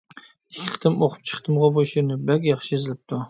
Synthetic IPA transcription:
ɪkʲʰːɪχt̪ʰɪmoqʰʊ̥p̚t͡ʃʰɨ̥χt̪ɨmʁɑboʃɪnɪbakʲjɑχʃɪezɪlɪp̚t̪ʰʊ

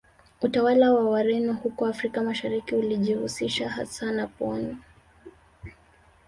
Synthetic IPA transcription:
utawalawawaɾɛnuhukɔafɾikamaʃaɾikiuliʄihusiʃaha̰sanapɔni

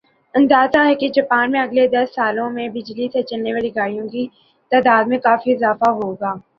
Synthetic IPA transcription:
ɐ̃nd̪aːzaɦɛked͡ʒaːpaːnmẽɐɡled̪ɐsːaːlõmẽbɪd͡ʒlit̪ʰɛt͡ʃəlneʋaːliɡaːɽijõki | t̪aːd̪aːd̪mẽkaːfiɪzaːfaɦoːɡaː

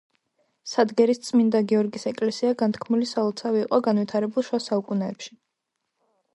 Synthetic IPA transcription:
sad̪ɡɛɾist̪sʼmind̪aɡiɔɾɡisɛkʼlɛsiaɡant̪ʰkʰmulisalɔt̪sʰaviːqʼɔɡanwit̪ʰaɾɛbulˠʃwasaukʼunɛːpʃi̥

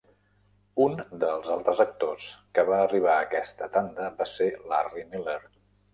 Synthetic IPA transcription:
und̪əlˠzalˠt̪ɾəzək̚t̪oskəβaəriβ̞aəkɛst̪ət̪and̪əbaselariniləɾ

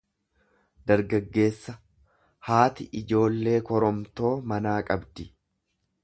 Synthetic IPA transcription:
d̪ɐɾɡɐɡːe̞ːsːɐ | haːt̪ɪʔɪd͡ʒo̞ːlːe̞ːkɔɾɔmt̪o̞ːmɐnaːkʼɐbd̪ɪ

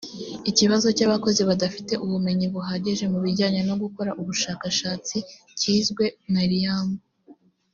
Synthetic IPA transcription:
iciβazo̞caβako̞ziβadafite̞ʔuβume̞ɲiβuɦaːɟeʒe̞muβiɾɟaːɲeno̞ɡuko̞ɾaʔuβuʃaːkaʃaːt͡si | ciːzɡwe̞maɾijamo

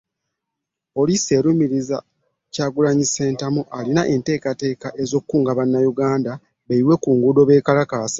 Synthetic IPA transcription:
po̞lisie̞ɾumiɾiza | caːɡulaɲise̞ːntamuʔalinaʔe̞nte̞ːkate̞ːkaʔe̞zo̞ːkkːuːŋɡaβanːajuɡaːnda | βeiwe̞kuːŋɡudo̞βe̞ːkalakasḁ

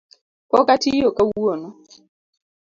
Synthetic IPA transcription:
kɔkatijokawuonɔ

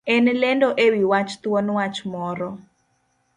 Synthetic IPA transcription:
ɛnlɛndɔʔewiwat͡ʃt̪wɔnwat͡ʃmɔɾɔ

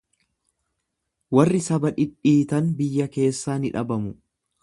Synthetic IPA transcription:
wɐrːɪsɐbɐᶑɪᶑiːt̪ɐnbɪjːɐke̞ːsːaːnɪᶑɐbɐmʊ

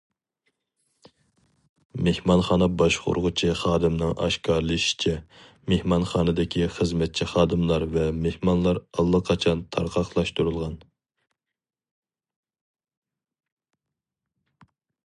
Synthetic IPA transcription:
mehmɑnχɑːnɑbɑʃqo̰ɾʁʊt͡ʃʰiχɑːd̪ɨmnɨŋʔɑ̰ʃkʰɑɾlˠɨʃi̥t͡ʃʰɛ | mehmɑnχɑːnɨd̪ɪkʲʰiχəzmɛt̪̚t͡ʃʰiχɑːd̪ɨmlˠɑɾvɛmehmɑnlˠɑɾɑlˠːəqʰɑt͡ʃʰɑnt̪ʰɑɾqʰɑχlˠɑʃt̪uɾulˠʁɑn

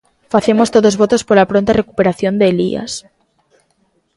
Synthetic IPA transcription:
faθe̞most̪oðozβo̞t̪o̞spoɾlapɾont̪are̞kupe̞ɾaθjo̞nd̪eːlḭa̰s

